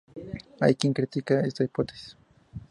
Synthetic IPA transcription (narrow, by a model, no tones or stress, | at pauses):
a̰jkɪŋkɾɪt̪ikaest̪aipot̪e̥s